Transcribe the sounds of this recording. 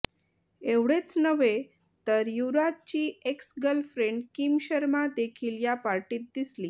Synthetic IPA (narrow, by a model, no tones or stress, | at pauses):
eʋɽet͡snəʋe | t̪əɾjuɾat̪̚t͡ɕiːeksɡəlfɾeɳɖkiːmɕəɾmad̪ekʰiːljapaɾʈiːt̪̚d̪isliː